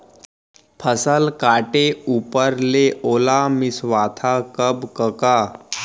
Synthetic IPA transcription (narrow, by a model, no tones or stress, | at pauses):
pʰəsəlkaːʈeuːpəɾleʔoːlamɪsʋaːt̪ʰakəbkəkaː